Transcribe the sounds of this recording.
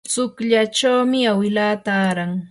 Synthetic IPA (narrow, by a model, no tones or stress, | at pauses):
t͡sʊkʎat͡ʃawmɪawɪlaːt̪aːɾaŋ